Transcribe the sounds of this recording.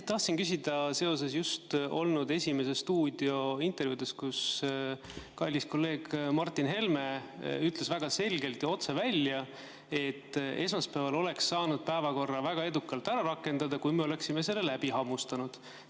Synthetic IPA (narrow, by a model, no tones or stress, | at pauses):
t̪ɑht̪sinkys̬ʲid̪̥ɑse̞o̞se̞sjust̪o̞lnud̪e̞sʲime̞sest̪uːd̪̥io̞int̪ˑe̞rvjud̪̥eskus | kɑjlːisko̞lːe̞ːɡ̥mɑrt̪ːˑinɦe̞lme̞yt̪le̞svæɡ̥ɑse̞lʲɡe̞lt̪jɑo̞t̪se̞vælʲjɑ | e̞t̪ːe̞smɑspævɑlo̞le̞ksːɑːnud̪̥̚pæevɑko̞rːɑvæɡ̥ɑe̞d̪ukːˑɑlt̪æɾɑɾɑkːˑe̞nd̪̥ɑd̪ɑkujmeo̞le̞ksime̞se̞lːelæb̥iɦɑmust̪ɑnud̪̥